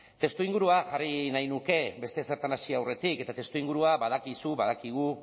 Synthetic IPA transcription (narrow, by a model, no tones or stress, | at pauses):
t̪e̞st̪uiŋɡuɾuaʝarinajnuke̞be̞st̪e̞se̞ɾt̪anasiawre̞t̪ike̞t̪at̪e̞st̪uiŋɡuɾuaβað̞akisuβaðakiɣ̞u